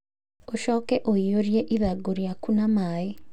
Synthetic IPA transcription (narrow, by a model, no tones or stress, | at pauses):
oʃɔkɛʔoijoɾjeʔiðaɡoɾiakunamaːe